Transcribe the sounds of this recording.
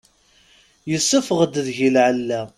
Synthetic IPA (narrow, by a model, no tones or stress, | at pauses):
jəsːəfəʁəd̪əðʝilʕəlːæ